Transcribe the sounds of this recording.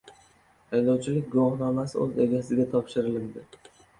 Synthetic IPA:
ajd̪ɒwt͡ʃʰɪlɪk̚ʲɡʊwɒhnɒmasɪɵze̞ɡʲasɪɡʲat̪ʰɒpʃɪɾɪlɪld̪ɪ

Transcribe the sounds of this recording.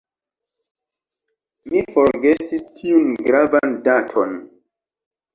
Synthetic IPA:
mifoɾɡesistʰiunɡɾavandatʰon

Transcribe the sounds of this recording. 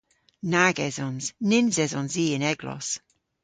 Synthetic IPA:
naɡɛzɔnz̥nɪnzɛzɔnziːɪnɛɡlɔ̰s

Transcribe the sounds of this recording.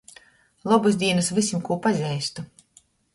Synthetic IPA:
lˠɔbuzd̪ʲiɛnasvʲisʲimkuɔpazʲɛjst̪u

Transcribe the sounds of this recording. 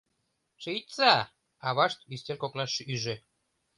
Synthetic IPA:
ʃɨjt̪t͡sɑ | ɑβɑʃt̪yst̪ʲenkoknɑʃyʒĕ

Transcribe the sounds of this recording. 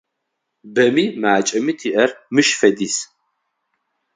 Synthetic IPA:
bɐmiːmaːt͡ʃʼɐmitʰiːʔɐrmɨʃfɐdiːs

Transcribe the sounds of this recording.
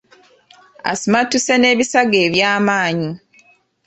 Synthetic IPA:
a̰simatusene̞ːβisaɡe̞ːβjaːmaːɲi

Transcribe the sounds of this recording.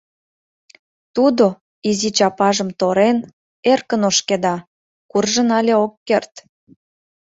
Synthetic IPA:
t̪ud̪o | izit͡ɕɑpɑʒəmt̪oɾen | erkənoʃked̪ɑ | kurʒənɑlʲeokːert̪

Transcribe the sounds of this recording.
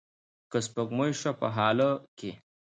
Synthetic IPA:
kɐspɐɡmojʂɐpɐɦaːlɐke

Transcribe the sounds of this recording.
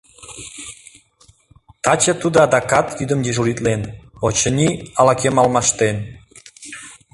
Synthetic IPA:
t̪ɑt͡ɕet̪ud̪ɑd̪ɑkɑt̪yd̪əmd̪eʒuɾit̪lenot͡ɕənʲiɑlɑkemɑlmɑʃt̪en

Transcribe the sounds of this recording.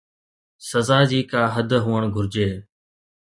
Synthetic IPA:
səzaːd͡ʑiːkaːɦəd̪ʱɦuːəɳɡʱʊɾd͡ʒeː

